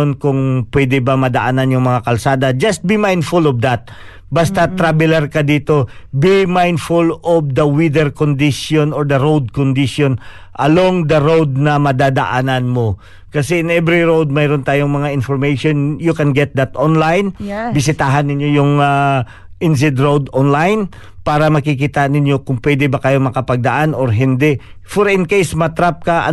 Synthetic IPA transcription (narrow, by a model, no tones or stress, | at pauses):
onkʊŋpwɛd̪ɛbamɐd̪ɐʔaːnanjʊŋmɐŋakɐlsaːd̪ɐd͡ʒɐst̪̚bimajnd̪fʊlɔvd̪at̪̚ | bast̪ɐt̪ɾabɪlɛɾkɐd̪iːt̪o̞bimajnd̪fʊlɔvd̪ɐwid̪ɛɹkond̪ɪʃonɔɹd̪ɐɾowd̪̚kond̪ɪʃon | ʔɐloŋd̪ɐɾowd̪̚nɐmɐd̪ad̪ɐʔaːnanmo̞ | kɐsɛɪnɛbɾiɹowd̪̚mɛjɾont̪aːjoŋmɐŋaʔɪnfɔɹmejʃonjʊkɛnɡɛt̪̚d̪at̪ʔonlajnbɪsɪt̪aːɦɐnːɪɲjojʊŋa | ʔɪnzɪd̪ɹowd̪onlajn | paːɾɐmɐkikit̪anɪnjo̞kʊŋpwɛd̪ɛbɐkɐjo̞mɐkɐpɐɡ̚d̪ɐʔanoɾɦɪnd̪ɛʔ | fɔɾɪnkejsmɐt̪ɾap̚kɐʔɐ̰